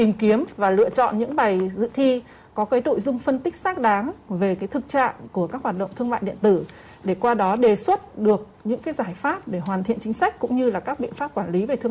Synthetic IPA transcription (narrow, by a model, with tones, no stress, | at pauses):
t̪i˨˩mki˨˦əmvaː˨˩lɨ̰˧˨ət͡ɕɔ̰˧˨nɲɨ̰˧˥ŋɓa˨˩jzɨ̰˧˨t̪ʰi˧ | kɔ˨˦kə˨˦jɗo̰˧˨jzʊ˧ŋ͡mfə˧nt̪ï˦˥k̟̚saː˦˥k̚ɗaː˨˦ŋve˨˩kaː˨˦jt̪ʰɨ˨˩k̚t͡ɕa̰ː˧˨ŋku˧˩əkaː˦˥k̚hwaː˨˩t̚ɗə̰˧˨wŋ͡mt̪ʰɨ˧əŋma̰ː˧˨jɗḭ˧˨ənt̪ɨ˧˩ | ɗe˧˩kwaː˧ɗɔ˨˦ɗe˨˩swə˦˥t̚ɗɨ˨˩ək̚ɲɨ̰˧˥ŋkaː˨˦jzaː˧˩jfaː˦˥p̚ɗe˧˩ɦwaː˨˩nt̪ʰḭ˧˨ənt͡ɕi˨˦ŋ̟sa˦˥jk̟̚kʊ̰˧˥ŋ͡mɲɨ˧laː˨˩kaː˦˥k̚ɓḭ˧ənfaː˦˥p̚kwaː˧˩nli˨˦ve˨˩t̪ʰɨ˧